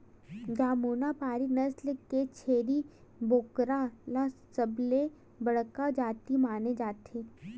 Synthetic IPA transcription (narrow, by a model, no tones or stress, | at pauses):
d͡ʒaːmuːnapaːɾinɐslkːet͡ʃʰeːɾiboːkɾalasɐble | bɐɽ̤kad͡ʒaːt̪imaːned͡ʒaːt̪ʰeː